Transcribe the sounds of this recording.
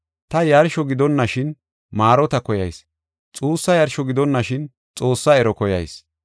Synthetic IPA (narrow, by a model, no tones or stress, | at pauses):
t̪ɐjɐɾʃɔɡɪd̪ɔnːɐʃɪn | maːɾɔt̪ɐkɔjɐ̰js | t͡sʼuːsːɐjɐɾʃɔɡɪd̪ɔnːɐʃɪn | t͡sʼo̞ːsːɐɛɾɔkɔjɐ̰js